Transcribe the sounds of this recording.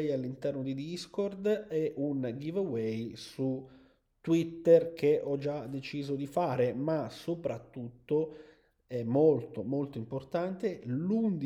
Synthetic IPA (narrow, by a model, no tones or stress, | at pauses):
jalːint̪ɛrnod̪id̪iskɔrd̪ɛʔunɡivəwɛjsu | t̪ːwit̪ːerk̟ʰeʔɔd͡ʒad̪ːet͡ʃiːzod̪ifaːɾemasopɾat̪ːut̪ːo | ɛmːolt̪omolt̪oimport̪ant̪elund̪i